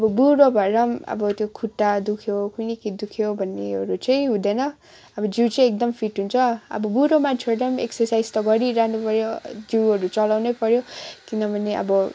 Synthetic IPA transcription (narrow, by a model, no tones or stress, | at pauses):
ʌbʌbuɾobʱʌɾʌmʌ̰bʌt̪jokʰuʈːad̪ukʰjokunikid̪ukʰjobʱʌnːeʌɾut͡sʌĩɦũd̪enʌ | ʌbʌd͡ziwt͡sʌĩek̚d̪ʌmpʰiʈɦunt͡sʰʌʌ̰bʌbuɾomant͡sʰʌɾʌmeksʌrsajd͡zt̪ʌɡʌɾiɾanupʌɾjod͡ziwɦʌɾut͡sʌlawnʌpʌɾjokinʌbʱʌneʔʌ̰bʌ